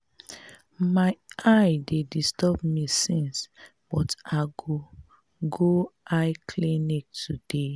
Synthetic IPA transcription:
maɪaɪdedistɔbmisĩns | b̥ɔtaɡo | ɡoaɪkʰlĩnik̚tʰude

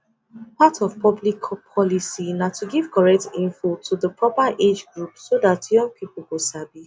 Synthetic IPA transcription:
patʰɔvpɔblikpʰɔlisinatʰuɡiv̥kʰɔɹɛk̚tĩnfotʰuðəpʰɹɔpaʔed͡ʒɡɹupsodatjɔ̃ŋɡ̚pʰiplwusabi

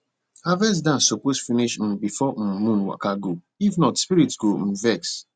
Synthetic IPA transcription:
havɛs̬dãn̩soposfiniʃm̩̃bifɔm̩mũnwa̰kaɡo | ifnɔtspiɾitsɡom̩vɛks

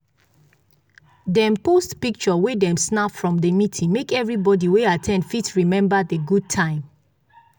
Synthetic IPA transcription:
dɛ̃mpostpik̚t͡ʃɔwedɛ̃msnapfɹɔ̃mdəmitʰĩŋmekɛvɹibɔdiweatʰɛ̃ndfitɹimɛ̃mbadeɡud̚tʰãɪ̃m

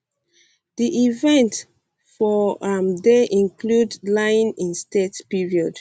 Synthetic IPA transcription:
diʔivɛ̃nt | fɔamdeʔĩŋkludlãɪ̃nĩnstetpiɹiɔd̥

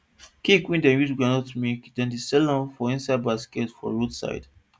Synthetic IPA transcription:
kikwĩndɛ̃njutɡanɔtmekdɛ̃ndisɛlɔ̃nfɔĩnsaɪd̚baskɛtfɔ̰̃ɹodsa̰ɪd

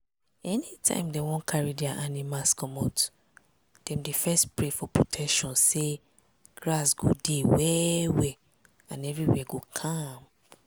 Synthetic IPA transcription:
ɛnitʰã̰ɪ̃mdɛ̃wɔ̃nkʰaɹidɛaʔanimaskʰɔmɔ̃t | d̥ɛ̃mdefɛstpɹefɔpɹotʰɛkʃɔ̃nse | ɡɹasɡo̰dewɛwɛ | ãnɛvɹiwɛɡokʰam

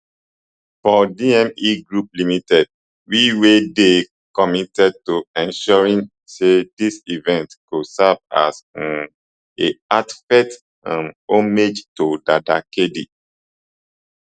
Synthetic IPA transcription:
fɔdiɛ̃miɡɹuplimitɛd̚ | wiwede | kɔmitɛd̚toɛ̃nʃɔɹĩn | sedisivɛ̃ntkosava̰sn | eatfɛt | ãnomed͡ʒtodadakedḭ

